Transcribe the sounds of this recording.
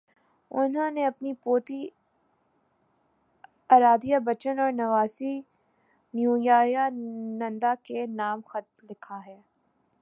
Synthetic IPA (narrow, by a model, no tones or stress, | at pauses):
ʊnɦõneɐpnipoːt̪i | aːɾaːd̪ijabɐt͡ʃənɔːɾnɐʋaːsi | njũːjaːjanɐ̃nd̪akenaːmxɐt̪̚lɪkʰaɦɛː